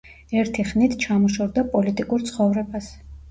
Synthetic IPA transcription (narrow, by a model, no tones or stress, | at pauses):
ɛɾt̪ʰiχnit̪ʰt͡ʃʰamɔʃɔɾd̪apʼɔlit̪ʼikʼuɾt̪sʰχɔvɾɛbas